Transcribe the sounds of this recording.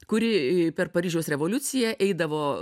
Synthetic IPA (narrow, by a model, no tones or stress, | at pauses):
kʊɾʲɪpʲɛrpɐɾʲiːʒʲɛosɾʲɛʋoːlʲʊt̪sʲɪjɛʔɛɪd̪ɐʋoː